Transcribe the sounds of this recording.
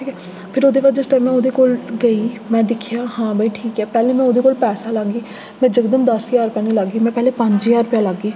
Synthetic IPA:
ʈʰiːkɛː | pʰɪɾoːd̪eːbaːɾd͡ʒɪsʈãːmɛ̃ːoːd̪eːkoːlɡəiːmɛ̃ːd̪ɪkʰːijaːɦãːbəiːʈʰiːkɛːpɛːlẽːmɛ̃ːoːd̪eːkoːlpɛːsaːlaɡiː | mɛ̃ːd͡ʒəɡd̪əmd̪əsiaːɾʊpjãːnĩːləɡiːmɛ̃ːpɛɦleːpə̃ɲd͡ʒijaːɾʊpjãːləɡːiː

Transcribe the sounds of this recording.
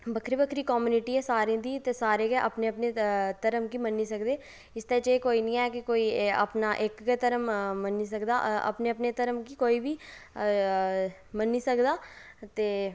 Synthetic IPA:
bəkʰɾiːbəkʰɾiːkɔːmuːnɪʈiːɛːsaːɾĩːd̪iːt̪eːsaːɾeːɡɛʔəpneːəpneːt̪əɾəmkiːmənːiːsəkd̪eː | ɪst̪ɛːt͡ʃəeːkoːiːnĩːɛːkɪkoːiːə̰pnaːʔɪkɡɛːt̪əɾəmmənːiːs̬əkd̪aːə̰pneːəpneːt̪əɾəmkiːkoːiːbiː | mənːiːsəkd̪aːt̪eː

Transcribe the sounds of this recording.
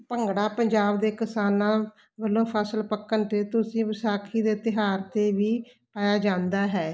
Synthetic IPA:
pəŋɡɽaːpəɲd͡ʒaːbd̪eːkɪsaːnãː | bəlːõːpʰəsəlpəkːənʈ̪eːt̪ʊsĩːʋəsaːkʰiːd̪eːt̪ɪɦaːɾt̪eːʋiː | paːjaːd͡ʒãːnd̪aːɦɛː

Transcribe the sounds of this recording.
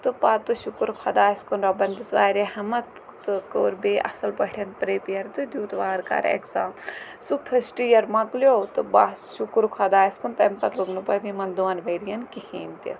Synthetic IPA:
t̪ɨpat̪ɨʃukɾkʰɐd̪aːskunɾɐbɐnd̪isʋa̰ːɾehɐmɐt̪̚ | t̪ɨkoːɾbeːʔɐ̰sɐlpɐʈʰɐnpɾeːpjɐɾt̪ɨd̪ʲjuːt̪ʋaːɾka̰ɾḛksaː | supʰɐsʈijɐɾmɐklʲjoːt̪ɨbasʃukɾkʰɐd̪aːskunt̪ɐmpɐt̪luɡnupɐd̪imɐnd̪uʋɐnbɐjɾijɐnkihiːnt̪ʲḭ

